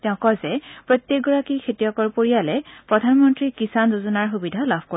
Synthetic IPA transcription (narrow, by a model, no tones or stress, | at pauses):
tɛʊ̃kɔzɛpɹot̪jek̚ɡɔɹakikʰetijɔkɔɹpoɹijalɛpɹɔdʱanmɔntɹikisanzozɔnaɹxubidʱalabʱko